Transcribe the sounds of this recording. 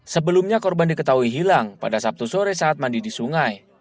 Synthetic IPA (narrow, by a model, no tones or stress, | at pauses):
səbəlumɲakɔrbandikət̪aɦuiɦilaŋpa̰dasap̚t̪usoɾɛsaːt̪̚mandidisuŋaj